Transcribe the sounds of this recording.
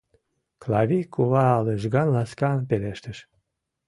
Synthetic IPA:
klɑvʲikʰuβɑːleʒɡɑnlɑskɑnpeleʃt̪əʃ

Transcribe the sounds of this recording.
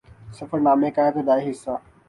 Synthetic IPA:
səfəɾnaːmẽkaːjet̪ed̪aːeɦɪsːaː

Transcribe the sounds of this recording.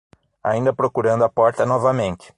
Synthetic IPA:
a̰ĩnd̪ɐpɾokuɾɐ̃nd̪ʊɐpɔɾt̪ɐnɔvɐmẽnt̪ɪ̥

